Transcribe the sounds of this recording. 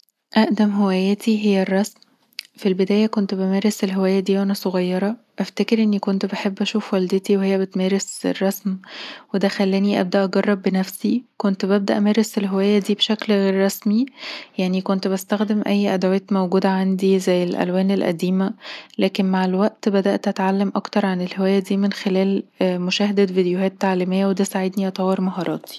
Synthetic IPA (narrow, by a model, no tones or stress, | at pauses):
ʔæʔd̪æmɦewæːjæːt̪ʰiɦejːærˤːɑsm | filbed̪æːjækont̪bemæːɾeselɦewæːjːæd̪iːʔænæsˤoɣɑjːɑɾˤɑʔæft̪ækeɾʔenːikont̪beħebːʔæʃuːfwæld̪et̪iwehejːæbet̪mæːɾesḛrˤːɑsmwed̪æxælːæːniʔæ̰b̚d̪æʔɑɡɑrˤːɑbːenæfsikont̪bæb̚d̪æʔæmæːɾeselɦewæːjːæd̪iːbeʃæklɣeːɾˤːɑsmijaʕnikont̪bæst̪æxd̪emʔæjːʔæd̪ʕoæːt̪mæwɡuːd̪æʕand̪izæjːelʔæ̰lwæːnelʔæ̰d̪iːmælæːkenmaʕelwæʔt̪bæd̪æʔt̪ʔæt̪ʕalːæmʔɑkt̪ɑɾˤʕanelhewæːjːæd̪iːmenxelæːlmoʃæːhed̪ævid̪ejohæːt̪ːaʕliːmejːæwed̪æsaʕed̪niʔɑt̪ˤɑwːeɾmɑɦɑːɾˤɑːt̪ʰi̥